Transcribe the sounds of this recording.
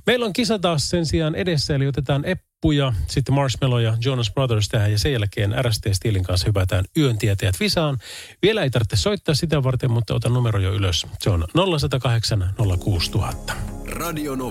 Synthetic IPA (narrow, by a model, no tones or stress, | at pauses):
meilːoŋkisɑt̪ɑːssensiɑːnedesːæjɑliot̪et̪ɑːnepːujɑsit̪ːemɑrsmelojɑjonɑsb̥rɑðərst̪æhæjɑsejjælkeːnʔæ̰ɾæst̪eːst̪ieliŋkɑnshypæt̪æːnyønt̪iet̪eæt̪ʋisɑːnʋielæeijt̪ɑrt̪ːeso̞it̪ːɑːsit̪æʋɑrt̪emmut̪ːɑ̰ot̪ɑnnumeɾojoyløsseonnolːɑsɑt̪ɑkɑɦeksɑnnolːɑkuːst̪uhɑt̪ːɑ̥rɑdiono